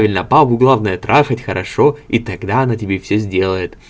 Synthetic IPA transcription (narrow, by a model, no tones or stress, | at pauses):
vʲɪlʲnəpabʊɡlˠavnəjət̪ɾʔaxətʲxəɾʔɐʂoit̪ɐɡd̪aɐnatʲɪbʲefsʲɵzʲdʲe̞lˠəjɪt̪